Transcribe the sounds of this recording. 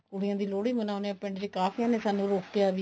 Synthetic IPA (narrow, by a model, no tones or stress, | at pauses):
ʊɽɪjãːd̪iːloːɽiːmənaːʊneãːpɪ̃ɳɖd͡ʒeːkaːfʰiãːnẽːsaːnũːɾoːkːejaːʋiː